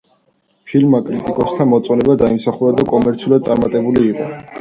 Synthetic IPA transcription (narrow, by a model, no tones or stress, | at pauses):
pʰilmakʼɾit̪ʼikʼɔst̪ʰamɔt̪sʼɔnɛbad̪aimsaχuɾad̪akʼɔmɛɾt̪sʰiulˠad̪̚sʼaɾmat̪ʼɛbuliːqʼɔ̰